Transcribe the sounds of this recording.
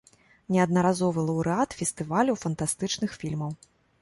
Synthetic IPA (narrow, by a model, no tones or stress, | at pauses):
nʲɛɐd̪̚nɐɾazɔvɨlˠɐwɾɨat̪fʲɛst̪ɨvalʲuwfɐnt̪ast̪ɨt͡ʂnɨxfʲilʲmɐw